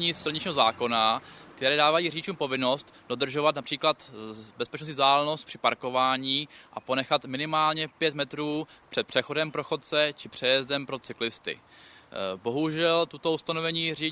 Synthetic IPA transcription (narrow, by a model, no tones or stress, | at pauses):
ɲiːsɪl̩ɲɪt͡ʃɲiːɦozaːko̞nak̚t̪ɛɾɛːdaːvajiːr̝iɪt͡ʃuːmpo̞vɪno̞st̪do̞d̪r̩ʒo̞vat̪̬napr̝̥iːklat̪bɛspɛt͡ʃnos̬tɲɪzdaːlno̞st̪̚pr̥ɪ̥paɾko̞vaːɲiːʔa̰po̞nɛxat̪mɪnɪmaːlɲɛpjɛt̪mɛt̪ɾuːpr̥ɛt̪̚pr̥ɛxo̞dɛmpɾoxo̞t̪̚t͡sɛt͡ʃɪpr̝̥ɛjɛzdɛmpɾo̞t͡sɪklɪst̪ɪ̰ | bo̞ɦuʒɛlt̪ut̪o̞ust̪ano̞vɛɲiːri